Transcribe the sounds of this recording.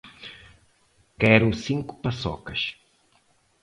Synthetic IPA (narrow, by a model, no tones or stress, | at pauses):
kɛɾʊsĩŋkʊ̥pɐsɔ̰kɐʃ